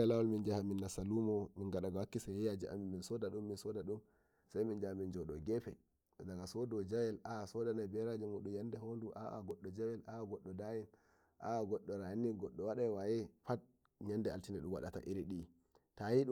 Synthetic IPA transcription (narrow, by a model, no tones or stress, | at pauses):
alawalmind͡ʒahaminːasalumɔminɡaɗaɡawakːisaɛjad͡ʒiʔa̰minminsɔdaɗumːinsɔdaɗum | sajmind͡ʒahamind͡ʒɔɗɔɡɛpɛ | daɡasɔdɔd͡ʒawɛlasɔdanabɛɾad͡ʒɛmuɗumjandɛhonduʔa̰ʔa̰ɡɔɗːɔd͡ʒawɛlaɡɔɗːɔdajin | ʔa̰aɡɔɗːɔɾajnːiɡɔɗːɔwaɗawajɛfat̚ | ɲandɛa̰ltinɛɗumwa̰ɗata̰ʔiɾiɗi | tajiɗu